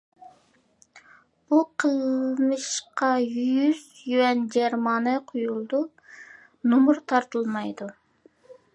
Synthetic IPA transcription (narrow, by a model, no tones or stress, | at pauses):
b̥uqʰəlˠmɨʃqɑjyz | jywɛnd͡ʒɛɾmɑːnɛqʰojulˠd̪u | nomuɾt̪ʰɑɾt̪ɨlˠmɑjd̪u